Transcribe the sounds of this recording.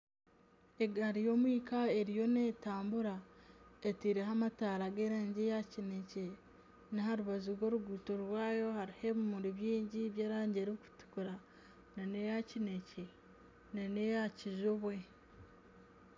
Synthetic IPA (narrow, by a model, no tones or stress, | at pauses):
eɡaɾijo̞ːmwiːkaeɾijo̞neːtaːmbuɾaetiɾeɦamataːɾaɡeɾeːɲɟejacinece | niɦaɾuβazuɾwo̞ːɾuɡuːtoɾwaːjo̞haɾihe̞βumuɾiβjiːɲɟiβjeːɾaːɲɟeɾoku̥tu̥kuɾa | nanejacinece | nanejaciʒoβwe̞